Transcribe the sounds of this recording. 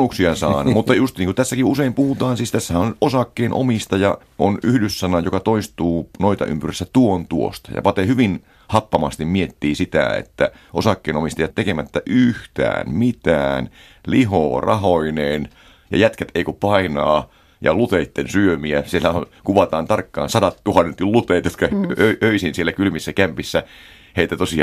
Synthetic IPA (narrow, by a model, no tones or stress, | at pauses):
uksiɑsɑːnmut̪ːɑjust̪iːŋkut̪æsːækiuseimpuhut̪ɑːnsiːst̪æsːæhænonʔosɑkːeːnʔo̰mist̪ɑjɑ | ʔonyhdysːɑnɑjokɑt̪oist̪uːnoit̪ɑ̰ʔy̰mpyrisːæt̪uont̪uo̰st̪ɑ̥jɑ̰pɑt̪ehyʋin | hɑpːɑmɑst̪immiet̪ːiːsit̪æ̰ḛt̪ːæ | ʔo̰sɑkːeːnomist̪ɑjɑt̪ːekemæt̪ːæʔyht̪æ̰ːnmit̪æːn | liɦo̰ːrɑ̰ɦoineːn | jɑ̰jæt̪kæt̪eikupɑinɑː | jɑ̰lut̪eit̪ːensyømiæsielːæonkuʋɑt̪ɑːnt̪ɑrkːɑ̰ːnsɑdɑt̪ːuhɑnːent̪ːullut̪eːt̪jot̪kɑøʔøisinsielːækylmisːækæmpisːæ | heit̪æt̪osi